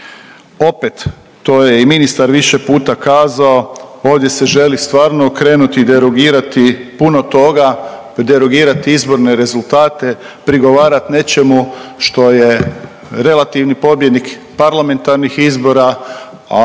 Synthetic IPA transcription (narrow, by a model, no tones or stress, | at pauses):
o̞pet̪ː | o̞ːjeiminist̪aɾʋiʃe̞puːt̪akaːzao̞o̞ːʋd̪je̞se̞ʒe̞list̪ʋaːɾnoːkɾe̞ːnut̪id̪e̞ɾoɡiːɾat̪ipuno̞t̪o̞ɡa | d̪e̞ɾo̞ɡiːɾat̪iizbo̞ɾne̞ɾe̞zulˠt̪aːt̪e̞ | pɾiɡo̞ʋaːɾat̪ne̞t͡ʃe̞muʃt̪o̞je̞ | ɾe̞lat̪iʋnipo̞bjed̪nik | paɾlˠame̞nt̪aɾnixizbo̞ɾa